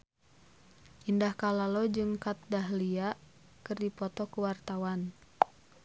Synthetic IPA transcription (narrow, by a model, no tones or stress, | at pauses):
ʔindahkalalɔd͡ʒɨŋkat̪̚daɦliaʔ | kɨrdipɔt̪ɔkuwart̪awan